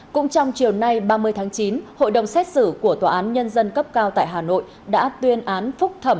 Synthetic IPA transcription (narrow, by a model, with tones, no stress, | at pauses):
kʊ̰˧˥ŋ͡mt͡ɕɔ˧wŋ͡mt͡ɕi˨˩əwna˧jɓaː˧mɨ˧əjt̪ʰaː˨˦ŋt͡ɕi˨˦nho̰˧˨jɗə˨˩wŋ͡msɛ˦˥t̚sɨ˧˩ku˧˩ət̪waː˨˩ʔaː˨˦nɲə˧nzə˧nkə˦˥p̚kaː˧wt̪a̰ː˧˨jɦaː˨˩no̰˧˨j | ɗa̰ː˧˥t̪wi˧ənʔaː˨˦nfʊ˦˥k͡p̚t̪ʰə˧˩m